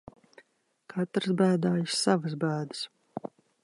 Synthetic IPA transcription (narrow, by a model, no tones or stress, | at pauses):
kʰat̪ɾɨsbæːd̪aːjissavəs̬bæːd̪ɨ̥s